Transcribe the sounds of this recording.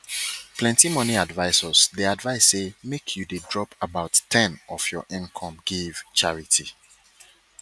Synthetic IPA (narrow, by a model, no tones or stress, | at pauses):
plɛ̃ntimɔniadvaɪsɔsdiadvaɪsːemekʰjudedɹɔpabaʊtːʰɛ̃nɔfjɔʔɪ̃nkʰɔ̃mɡiv̥t͡ʃaɹitʰi